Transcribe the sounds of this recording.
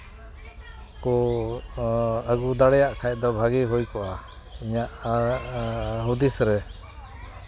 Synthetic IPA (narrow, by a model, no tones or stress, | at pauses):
kɔ | əɡud̪aɽɛjaʔkʰaj̚ˀd̪ɔbʱaɡiɦujkɔʔa | iɲaʔ | ɦud̪isɾɛ